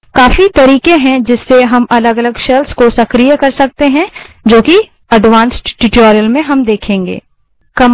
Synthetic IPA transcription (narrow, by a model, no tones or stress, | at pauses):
kaːfit̪ɐɾiːkẽɦɛ̃d͡ʒɪsːeɦɐmɐləɡɐləɡʃɛlskosɐkɾijəkɐɾsɐk̚t̪eɦɛ̃d͡ʒoːki | ɐɖʋãːnsʈʈɪʈɔːɾijəlmẽɦɐmd̪eːkʰẽːŋɡḛː | kɐm